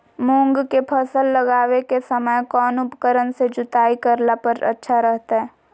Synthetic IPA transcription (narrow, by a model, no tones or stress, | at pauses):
mõːŋɡkepʰəsəlːəɡaːwekesəməjkɔːnʊpkəɾənsed͡ʒʊt̪aːikəɾlapəɾɐ̰tːʃʰaɾəɦt̪aɦɛː